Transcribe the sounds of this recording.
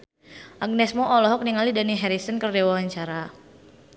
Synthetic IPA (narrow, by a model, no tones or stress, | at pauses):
ʔaɡ̚nɛsmɔʔɔlɔɦɔk̚niŋalidaniɦɛɾisənkərdewawaɲt͡ʃaɾa